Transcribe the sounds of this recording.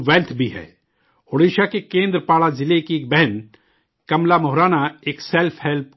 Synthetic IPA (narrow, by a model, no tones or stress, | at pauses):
ʋɛːlt̪ʰbʱiɦɛ̰ː | oɽeːʃakekẽːnd̪ɾəpaːɭazɪlekiːk̚bɛɦɛn | kɐmlamɔɦɾaːnaeːksɛlpʰɦɛlp̚